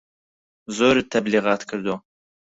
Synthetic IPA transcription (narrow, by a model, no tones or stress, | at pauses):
zoːɾɨt̪ʰːɐbliːʁaːt̪kʰɨɾd̪o